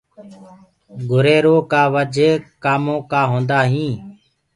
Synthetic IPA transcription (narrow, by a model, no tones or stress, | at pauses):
ɡʱʊɾeːɾoːkaːʋəd͡ʒʱeːkaːmõːkaːɦõːnd̪aːɦĩː